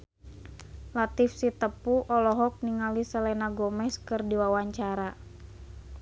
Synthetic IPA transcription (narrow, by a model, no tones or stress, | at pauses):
lat̪ifsit̪əpuʔɔlɔɦɔk̚niŋalisəlɛnaɡɔmɛskɨrdiwawaɲt͡ʃaɾa